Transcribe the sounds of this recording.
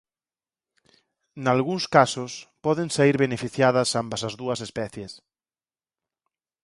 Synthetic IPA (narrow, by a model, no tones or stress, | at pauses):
nalɣuŋskasʊspɔðeŋsaiɾβenefiθjaðɐsambɐsɐzðuɐsespɛθjes